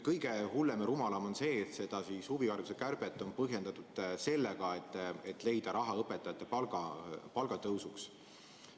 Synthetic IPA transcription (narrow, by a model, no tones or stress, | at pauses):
kɤjɡ̥e̞hulːemeɾumɑlɑmo̞nse̞ːt̪sed̪̥ɑsishuviɑrvusekærb̥et̪ːˑo̞npɤɦje̞nd̪̥ɑt̪ud̪̥se̞lːeɡ̥ɑet̪ːˑet̪ːˑle̞jd̪̥ɑɾʔɑɦɑɤpːˑet̪ːˑɑjɑt̪ːˑe̞pɑlɡ̥ɑpɑlɡ̥ɑt̪ɤwsuks